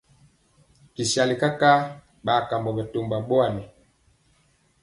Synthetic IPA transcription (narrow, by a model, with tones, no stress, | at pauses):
ki˨ʃa˨li˨ka˦ka˦ | ɓa˨ka˨mbɔ˨ɓɛ˨to˨mba˨ɓɔ˦a˦˨nɛ˨